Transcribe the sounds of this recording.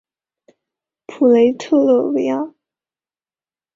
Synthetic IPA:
pʰu˨˩le˧˥ɪt̪ʰɤ˥˧lɤ˥˩we˧˥ɪa˥˩

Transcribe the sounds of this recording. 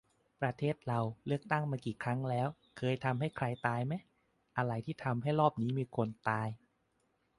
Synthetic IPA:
pɾa˧t̪ʰeː˥˩t̪̚ɾa˧wlɯ˥˩ək̚t̪a˥˩ŋmaː˧kiː˨˩kʰɾa˦˥ŋlɛː˦˥w | kʰɤː˧jt̪ʰa˧mɦa˥˩jkʰɾa˧jt̪aː˧jma˦˥j | ʔa˧ɾa˧˩jt̪ʰiː˥˩t̪ʰa˧mɦa˥˩jɾɔː˥˩p̚niː˦˥miː˧kʰo˧nt̪aː˧j

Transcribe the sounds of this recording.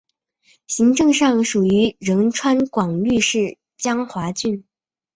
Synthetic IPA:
ɕi˧˥ŋʈ͡ʂɤ˥˧ŋʂɑ˥˩ŋʂu˨˩y˧˥ɻə˧˥nʈ͡ʂʰwa˥nkwɑ˨˩ŋly˥˧ʂɻ̩˥˩ | t͡ɕjɑ˥ŋxwa˧˥t͡ɕy˥˩n

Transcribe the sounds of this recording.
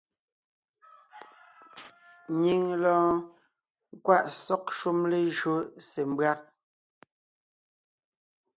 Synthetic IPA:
ɲi˦ŋlɔ̃˦ | ŋ˦kwa˦ʔsɔ˦kʃu˦mle˨ʒɰo˦se˨m˦bɰa˦k̚

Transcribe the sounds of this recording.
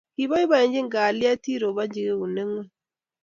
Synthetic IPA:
hi˨βa˦i˦βa˨e˨ɲd͡ʒi˦ŋɡa˨li˦a˦ti˦ɾo˨βa˦ɲɟi˦ɣe˦u˨ne˦ŋwe˦

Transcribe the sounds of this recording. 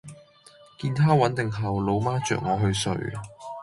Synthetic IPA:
kiː˧nt̪ʰaː˥wɐ˨˥nt̪ɪ˨ŋɦɐ˨wlo˨˧wmaː˥t͡ʃœ̰ː˨k̚ŋɔː˨˧ɦɵ˧ɥsɵ̰˨ɥ

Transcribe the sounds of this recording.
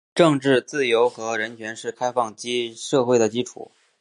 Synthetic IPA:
ʈ͡ʂɤ˥˧ŋʈ͡ʂɻ̩˥˧t͡sɹ̩˥˩jo˧˥ʊxɤ˧˥ɻə˧˥nt͡ɕʰɥɛ˧˥nʂɻ̩˥˩kʰa˥ɪfɑ˥˩ŋt͡ɕi˥ʂɤ˥˧xwe˥˩ɪd̪ə˩t͡ɕi˥ʈ͡ʂʰṵ˨˩˦

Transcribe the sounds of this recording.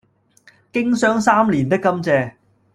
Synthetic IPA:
kɪ˥ŋsœː˥ŋsaː˥mliː˨˩nt̪ɪ˥kːɐ˥mt͡sɛː˧

